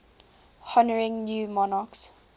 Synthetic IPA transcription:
hɔnəɹɪ̃ŋnjuːmɔnɑks

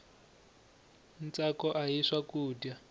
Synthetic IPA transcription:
nt͡sakɔʔajiʂwakuːdja

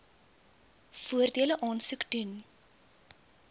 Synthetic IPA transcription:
fuərdiələʔɑːnsukdun

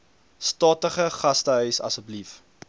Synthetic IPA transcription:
stɑːtəχəχɐstəɦœɥsɐ̰səblif

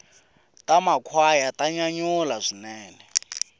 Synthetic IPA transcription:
tʼamakʰwajatʼaɲaɲulazʷinɛːnɛ

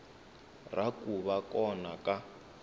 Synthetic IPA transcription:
rakuβakɔnaka

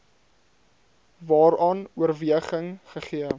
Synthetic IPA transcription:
vɑːɾɑːnuərviəχəŋχəχiə

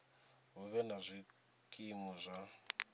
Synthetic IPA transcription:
βuβɛnazʷi | kʼimɔzʷa

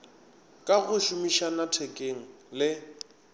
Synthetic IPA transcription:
kʼaɣʊʃʊmiʃanatʰɛkʼeŋ̩lɪ

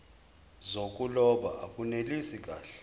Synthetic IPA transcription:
zokʼulɔɓa̰ʔakʼunelisik̬ʼaːɬɛ̥

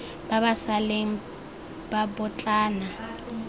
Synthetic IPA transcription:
baβasaleŋ̩ | babʊt͡ɬʼaːna

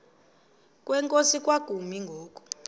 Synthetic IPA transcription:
kʼwɛŋkʼosik̬ʼwaɡ̥ʱumiŋɡʱɔːkʼɔ̥

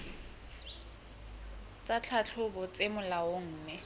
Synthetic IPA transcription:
t͡sʼat͡ɬʰat͡ɬʰʊbɔt͡sʼemʊlaoŋ̩ːmɛ

